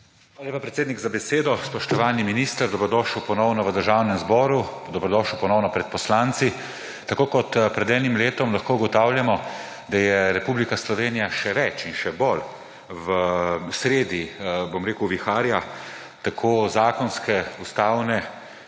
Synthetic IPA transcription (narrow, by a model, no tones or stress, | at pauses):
xalalʲjeːpapɾɛt̪seːd̪niɡzabɛseːd̪ɔspɔʃt̪ɔʋaːniminist̪əɾd̪ɔbɾɔd̪ɔːʃəwpɔnɔwnɔʋəd̪əɾʒaːwnɛmzbɔːɾud̪ɔbɾɔd̪ɔːʃəwpɔnɔwnɔpɾɛt̪̚pɔslaːnt̪si | t̪akoːkɔt̪pɾɛd̪ɛːnimleːt̪ɔmlaxkoːuɡɔt̪aːwljamɔ | d̪ajɛɾɛpublikaslɔʋeːnijaʃɛʋɛt͡ʃinʃɛbol | ʋəsɾeːd̪ibomɾeːkuʊʋixaːɾja | t̪akʰoːzaːkɔnskɛust̪aːwnɛ